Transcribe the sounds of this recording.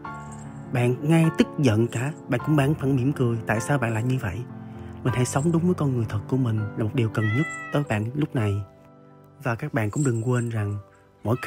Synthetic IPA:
ɓa̰ː˧˨nŋa˧jt̪ï˦˥k̚zə̰˧˨nkaː˧˩ɓa̰ː˧˨nkʊ̰˧˥ŋ͡mɓaː˧˩ŋfa˧˩nmi˧˩mkɨ˨˩əjt̪a̰ː˧˨jsaː˧wɓa̰ː˧˨nlaː˨˩mɲɨ˧və̰˧˨jmï˨˩ŋ̟ha̰˧˥jsə˨˦wŋ͡mɗʊ˨˦ŋ͡mvəː˨˦jkɔ˧nŋɨ˨˩əjt̪ʰə˨˩t̚ku˧˩əmï˨˩ŋ̟laː˨˩mo˨˩t̚ɗi˨˩əwkə˨˩nɲə˦˥t̚t̪əː˨˦jɓa̰ː˧˨nlʊ˦˥k͡p̚na˨˩j | vaː˨˩kaː˦˥k̚ɓa̰ː˧˨nkʊ̰˧˥ŋ͡mɗɨ˨˩ŋkwe˧nza˨˩ŋ | mɔ̰˧˥j

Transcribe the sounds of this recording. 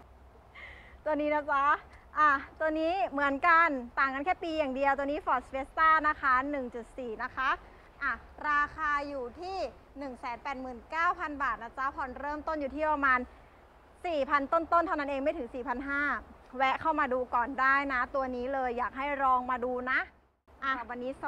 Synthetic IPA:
t̪u˧ɐniː˦˥na˦˥t͡ɕa˦˥ʔa˧˩t̪u˧əniː˦˥mɯ˩˦ənka˧nt̪aː˨˩ŋka˧nkʰɛː˥˩piː˧jaː˨˩ŋdi˧əwt̪̬u˧niː˦˥fɔː˨˩weː˦˥st̪aː˥˩na˦˥kʰa˦˥nɯ˨˩ŋt͡ɕu˨˩t̪̚siː˨˩na˦˥kʰa˦˥ | ʔa˧˩ | ɾaː˧kʰaː˧juː˨˩t̪ʰiː˥˩ | nɯ˨˩ŋsɛː˨˦npɛː˨˩t̪̚mɯː˨˩nkaː˥˩wpʰa˧nbaː˨˩t̪̚naː˧˩sʰa˦˥pʰɔ˨˧˩nɾɤː˥˩mt̪o˥˩njuː˨˩iː˥˩pɾa˧maː˧n | siː˨˩pʰa˧nt̪o˥˩nt̪o˥˩nt̪ʰa˥˩wna˦˥nʔeː˧ŋma˥˩t̪ʰɯ˩˦ŋsiː˨˩pʰa˧nɦaː˥˩ | wɛ˦˥kʰa˥˩wmaː˧duː˧kɔː˨˩ndaː˥˩jna˦˥t̪u˧ɐniː˦˥lɤː˧jːaː˨˩k̚ɦa˥˩jɾɔː˧ŋmaː˧duː˧na˦˥ʔ | ʔa˧˩˨wa˧nːiː˦˥

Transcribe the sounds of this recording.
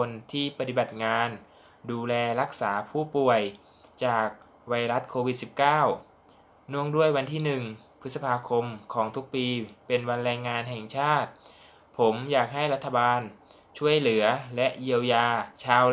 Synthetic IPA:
o˧nt̪ʰiː˥˩pa˧t̪i˨˩ba˨˩t̪̚ŋaː˧n | duː˧lɛː˧ɾa˦˥k̚saː˩˦pʰuː˥˩pu˨˩əj | t͡ɕaː˨˩k̚ | wa˧jɾa˦˥t̪̚kʰoː˧wi˨˩t̪̚si˨˩p̚kaː˥˩w | nu˥˩əŋdu˥˩əjwa˧nt̪ʰiː˥˩nɯ˨˩ŋ | pʰɯ˦˥t̪̚sa˧pʰaː˧kʰo˧mkʰɔː˩˦ŋt̪ʰu˦˥k̚piː˧pe˧nwa˧nɾɛː˧ŋːaː˧nɦɛ˨˩ŋt͡ɕʰaː˥˩t̪̚ | pʰo˩˦mjaː˨˩k̚ɦa˥˩jɾa˦˥t̪ʰːa˧baː˧n | t͡ɕʰu˥˩əjlɯ˩˦ɐlɛ˦˥ʔji˧əwjaː˧t͡ɕʰaː˧

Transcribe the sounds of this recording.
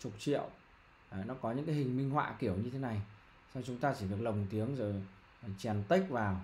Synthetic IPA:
t͡ɕʊ˨˩k͡p̚t͡ɕḭ˧˨əw | nɔ˨˦kɔ˨˦ɲɨ̰˧˥ŋka˨˦jhï˨˩ŋ̟mï˧ŋ̟hwa̰ː˧˨ki˧˩əwɲɨ˧t̪ʰe˨˦na˨˩j | sa˧ŋ͡mt͡ɕʊ˨˦ŋ͡mt̪aː˧t͡ɕi˧˩vɨ˨˩ək̚lə˨˩wŋ͡mt̪i˨˦əŋzo˨˩j | t͡ɕɛ˨˩nt̪i˦˥k̟̚vaː˨˩w

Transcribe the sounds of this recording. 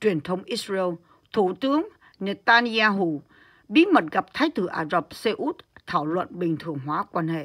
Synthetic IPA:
t͡ɕwi˨˩ənt̪ʰə˧wŋ͡mʔi˦˥t̚ɹɛ˧w | t̪ʰu˧˩t̪ɨ˨˦əŋ | ne˧˩t̪aː˧ni˧aː˧ɦu˧˩˨ | ɓi˨˦mə˨˩t̚ɣa˨˩p̚t̪ʰaː˨˦jt̪ɨ˧˩ʔaː˧˩zə˨˩p̚se˧ʔu˦˥t̚t̪ʰaː˧˩wlwə̰˧˨nɓï˨˩ŋ̟t̪ʰɨ˨˩əŋɦwaː˨˦kwaː˧nhḛ˧˨

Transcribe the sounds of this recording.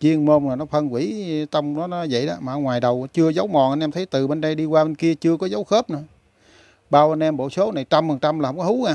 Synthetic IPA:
t͡ɕi˧əŋmo˧naː˨˩nɔ˨˦fə˧nkwḭ˧˩t̪ə˧wŋ͡mnɔ˨˦nɔ˨˦zə̰˧˨jɗa̰ː˧˦maː˨˧ŋwaː˨˩jɗə˨˩wt͡ɕɨ˧əzə˨˦wmɔ˨˩ʔa˧nʔɛ˧mt̪ʰə˨˦jt̪ɨ˨˩ɓe˧nɗə˧jɗi˧kwaː˧ɓe˧nki˧ət͡ɕɨ˧əkɔ˨˦zə˨˦wxəː˦˥p̚nɨ̰˧˩ | ɓaː˧wʔa˧nʔɛ˧mɓo̰˧˩so˨˦na˨˩jt͡ɕa˧mfə˨˩ŋt͡ɕa˧mlaː˨˩hə˧ŋ͡mkɔ˨˦hu˨˦ŋaː˨˧˩

